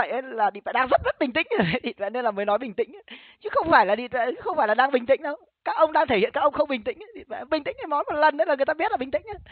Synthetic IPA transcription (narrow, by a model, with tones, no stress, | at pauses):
ə̰˧˨jʔə˨˦jlaː˨˩ɗḭ˧˨vɛ̰˧˨ɗaː˧ŋzə˦˥t̚zə˦˥t̚ɓï˨˩ŋ̟t̪ï˧˥ŋ̟ə˨˩˨ɗḭ˧˨˩t̚vɛ̰˧˨ne˧nlaː˨˩məː˨˦jnɔ˨˦jɓï˨˩ŋt̪ï˧˥ŋ̟a˨˦ | t͡ɕɨ˨˦xə˧wŋ͡mfaː˧˩jlaː˨˩ɗḭ˧˨vɛ̰˧˨˧xə˧wŋ͡mfaː˧˩jlaː˨˩ɗaː˧ŋɓï˨˩ŋ̟t̪ḭ̈˧˥ŋ̟ɗə˧w | kaː˦˥k̚ʔə˧wŋ͡mɗaː˧ŋt̪ʰe˧hḭ˧˨nkaː˦˥ʔə˧wŋ͡mxə˧wŋ͡mɓï˨˩ŋ̟t̪ï˧˥ŋ˨˦ɗḭ˧˨˩vɛ̰˧˨˩ɓï˨˩ŋt̪ï˧˥ŋʔə˨˦jmɔ˨˦mo˨˩t̚lə˨˩nʔə˧˦laː˨˩ŋ˨˩əjt̪aː˧˦˥t̚la˨˩ɓï˨˩ŋ̟t̪ï˧ŋʔa˧˦